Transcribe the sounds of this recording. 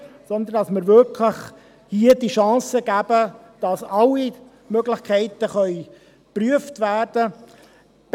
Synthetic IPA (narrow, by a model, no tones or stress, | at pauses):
sɔnd̪əndɑsməɾʋʏɾkʰləχ | hiəd̥iʃɑ̃ːsəɡæːbə | d̥ɑsɑlːi | møɡlɪχkʰɛɪt̪əχœʏ | pryəftʋæːrd̥ə | b̥